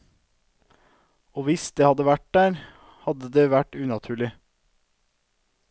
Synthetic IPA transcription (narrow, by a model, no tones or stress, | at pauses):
oːʋɪsd̪eːhɑd̪əʋæʈ̚d̪æːɾ | hɑd̪əd̪eːʋæʈʉːnɑt̪ʰʉːɭɪ